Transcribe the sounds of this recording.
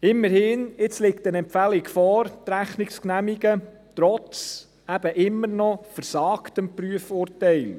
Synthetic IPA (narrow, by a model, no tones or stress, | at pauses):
ɪmːəɾhɪːnɪt͡slɪk̚tənɛmpfælikfɔːɾt̪ɾæχniksknæmiɡə | tɾɔt͡s | æb̥əʔɪmːəɾnɔfəɾsɑːktəmpryəfʊːrtɛɪl